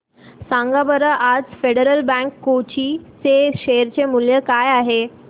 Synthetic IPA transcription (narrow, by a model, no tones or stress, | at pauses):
sãŋɡabəɾəʔad͡zfeɽəɾəlbɛ̃ŋkːot͡ɕit͡seɕeɾt͡ɕemuljəkajaɦe